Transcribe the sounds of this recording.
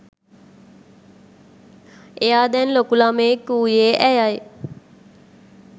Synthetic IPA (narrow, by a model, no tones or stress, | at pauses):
ejaːd̪ɛnlokulamekːuːjeːʔæjaj